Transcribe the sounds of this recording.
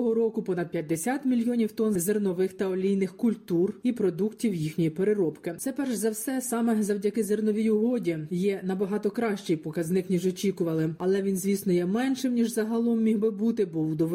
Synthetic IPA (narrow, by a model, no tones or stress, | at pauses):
ɦɔɾɔkʊpɔnɐd̪̚pʲjɐd̪ʲːesʲat̪mʲilʲjɔnʲiwt̪ɔnzernɔʋɪxt̪ɐɔlʲijnɪxkʊlʲt̪uripɾɔd̪uktʲiwjixnʲijipeɾɪɾɔpkɪt̪sɛpɛrʒzɐwsɛsɑmɛzɐwdʲɐkɪzernɔʋʲijʊɦɔdʲijɛnɐbɐɦɑt̪ɔkɾɑʃt͡ʃejpɔkɐznɪknʲiʒɔt͡ʃʲikʊʋɐlˠɪɐlˠɛʋʲinzʲʋʲisnʊjɛmɛnʃɪmnʲiʒzɐɦɐlˠɔmːʲiɦbɪbut̪ɪbɔwd̪ɔʋ